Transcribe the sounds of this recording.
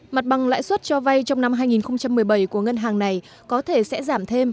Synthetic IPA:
ma˨˩t̚ɓa˨˩ŋla̰ː˧˥jswə˦˥t̚t͡ɕɔ˧va˧jt͡ɕɔ˧wŋ͡mna˧mɦaː˧jŋi˨˩nxə˧wŋ͡mt͡ɕa˧mːɨ˨˩əjɓə˧˩jku˧˩əŋə˧nɦaː˨˩ŋna˨˩j | kɔ˨˦t̪ʰe˧˩sɛ̰˧˥zaː˧˩mt̪ʰe˧m

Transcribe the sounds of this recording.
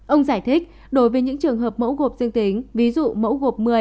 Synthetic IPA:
ʔə˧wŋ͡mzaː˧˩jt̪ʰi˦˥k̚ | ɗo˨˦jvəː˨˦jɲɨ̰˧˥ŋt͡ɕɨ˨˩əŋɦəː˨˩p̚mə̰˧˥wɣo˨˩p̚zɨ˧əŋt̪i˨˦ŋ̟vi˨˦zṵ˧˨mə̰˧˥wɣo˨˩p̚mɨ˨˩ə

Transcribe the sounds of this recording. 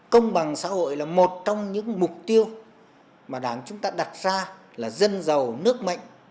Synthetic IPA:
kə˧wŋ͡mɓa˨˩ŋsa̰ː˧˥ɦo̰˧˨jlaː˨˩mo˨˩t̚t͡ɕɔ˧wŋ͡mɲɨ̰˧˥ŋmʊ˨˩k͡p̚t̪i˧əw | maː˨˩ɗaː˨˦ŋt͡ɕʊ˨˦ŋ͡mt̪aː˧ɗa˨˩t̚zaː˧ | laː˨˩zə˧nzə˨˩wnɨ˦˥ək̚ma̰˧˨jŋ̟ʔ

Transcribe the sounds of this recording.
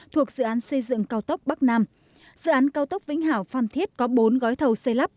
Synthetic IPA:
t̪ʰu˨˩ək̚zɨ̰˧˨ʔaː˨˦nsə˧jzɨ̰˧˨ŋkaː˧wt̪ə˦˥wk͡p̚ɓa˦˥k̚naː˧m | zɨ̰˧˨ʔaː˨˦nkaː˧wt̪ə˦˥wk͡p̚vḭ˧˥ŋ̟ɦaː˧˩wfaː˧mt̪ʰi˦˥ət̚kɔ˨˦ɓo˨˦nɣɔ˨˦jt̪ʰə˧wsə˧jla˦˥p̚

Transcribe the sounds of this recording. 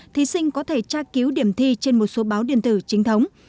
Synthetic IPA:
t̪ʰi˨˦sï˧ŋ̟kɔ˨˦t̪ʰe˧˩t͡ɕaː˧ki˨˦wɗi˧˩əmt̪ʰi˧t͡ɕe˧nmo˨˩t̚so˨˦ɓaː˨˦wɗi˧˩ənt̪ɨ˧˩t͡ɕï˨˦ŋ̟t̪ʰə˨˦wŋ͡m

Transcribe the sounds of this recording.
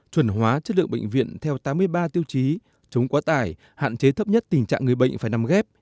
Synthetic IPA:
t͡ɕwə˨˩nɦwaː˨˦t͡ɕə˦˥t̚lɨ̰˧˨əŋɓḛ˧˨ŋ̟vḭ˧˨ənt̪ʰɛ˧wt̪aː˨˦mːɨ˧əjɓaː˧t̪i˧əwt͡ɕi˨˦ | t͡ɕə˨˦wŋ͡mkɔ˨˦t̪aː˧˩j | ha̰ː˧˨nt͡ɕe˨˦t̪ʰə˦˥p̚ɲə˦˥t̚t̪ï˨˩ŋ̟t͡ɕa̰ː˧˨ŋːɨ˨˩əjɓə̰˧˨jŋ̟faː˧˩jna˨˧mɣɛ˦˥p̚

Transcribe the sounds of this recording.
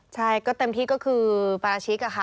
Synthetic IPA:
t͡ɕʰa˥˩jkɔː˥˩t̪e˧mt̪ʰiː˥˩kɔ˥˩kʰɯː˧pa˧ɾaː˧t͡ɕʰi˦˥ka˧˩xʰa˥˩

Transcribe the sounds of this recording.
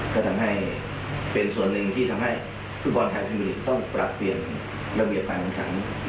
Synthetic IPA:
kʰɔː˥˧˩t̪ʰa˧mɦa˥˩j | pe˧nsu˨˩ənːɯ˨˧ŋt̪ʰiː˥˩t̪ʰa˧mɦa˥˩j | fu˦˥˩t̚bɔ˧nt̪ʰa˧jpʰa˧nbi˧li˧˩t̪ɔ˥˩ŋpɾa˨˩pːli˨˩ən | ɾa˧bi˨˩əp̚kaː˧nʰa˧˩kʰa̰˩˦n

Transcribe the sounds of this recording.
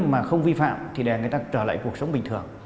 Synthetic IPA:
maː˨˩xə˧wŋ͡mvi˧fa̰ː˧˨mt̪ʰi˨˩ɗɛ˨˩ŋɨ˨˩əjt̪aː˧t͡ɕəː˧˩la̰ː˧˨jku˨˩ək̚sə˨˦ŋ͡mɓï˨˩ŋ̟t̪ɨ˨˩əŋ

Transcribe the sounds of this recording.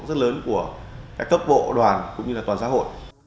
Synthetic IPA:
zə˦˥t̚ləː˨˦nku˧˩əkaː˦˥kːə˦˥p̚ɓo̰˧˨ɗwaː˨˩nkʊ̰˧˥ŋ͡mɲɨ˧laː˨˩t̪waː˨˩nsa̰˧˦ɦo̰˧˨j

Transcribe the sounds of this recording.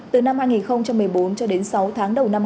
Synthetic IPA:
t̪ɨ˨˩na˧mhaː˧jŋi˨˩nxə˧wŋ͡mt͡ɕa˧mːɨ˨˩əjɓo˨˦nt͡ɕɔ˧ɗe˨˦nsa˨˦wt̪ʰaː˨˦ŋɗə˨˩wna˧m

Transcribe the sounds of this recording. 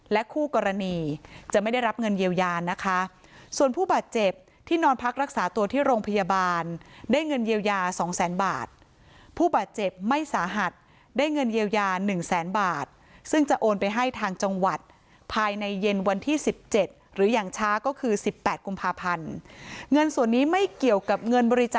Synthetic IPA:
lɛ˦˥kʰuː˥˩kɔː˧ɾa˧niː˧t͡ɕa˨˩ʔma˥˩jda˥˩jɾa˦˥p̚ŋɤ˧njiː˧wjaː˧na˦˥kʰa˦˥ | su˨˩ənpʰuː˥˩baː˨˩t̪̚t͡ɕe˨˩p̚ | t̪ʰiː˥˩nɔː˦˥npʰa˦˥k̚ɾa˦˥k̚saː˩˦t̪u˧ɐt̪ʰiː˥˩ɾoː˧ŋpʰa˧jaː˧baː˧ndaː˥˩jŋɤ˧njiː˧wjaː˧sɔː˩˦ŋsɛː˩˦nba̰ː˨˩t̪̚ | pʰuː˥˩baː˨˩t̪̚t͡ɕe˨˩p̚ma˥˩jsaː˩˦ɦa˨˩t̪̚ | daː˥˩jŋɤ˧njiː˧wjaː˧nɯ˨˩ŋsɛː˩˦nbaː˨˩t̪̚ | sɯ˥˩ŋt͡ɕa˨˩ʔoː˧npa˧jɦa˥˩jt̪ʰaː˧ŋt͡ɕa˧ŋwa˨˩t̪̚ | pʰaː˧jna˧jːe˧nwa˧nt̪ʰiː˥˩si˨˩p̚t͡ɕe˨˩t̪̚ | ɾɯː˩˦jaː˨˩ŋt͡ɕʰaː˦˥kɔː˥˩kʰɯː˧si˨˩pːɛː˨˩t̪̚ku˧mpʰaː˧pʰa˧nŋɤ˧nsu˨˩ənːiː˦˥ma˥˩jki˨˩əwka˨˩p̚ŋɤ˧nbɔː˧ɾi˦˥t͡ɕaː˩

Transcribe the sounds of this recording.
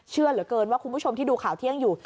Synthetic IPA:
t͡ɕʰɯ˥˩ɐlɯ˩˦əkɤː˧nwaː˥˩ku˧nbʰuː˥˩o˧mt̪ʰiː˥˩duː˧kʰaː˨˩wt̪ʰi˥˩əŋjuː˨˩

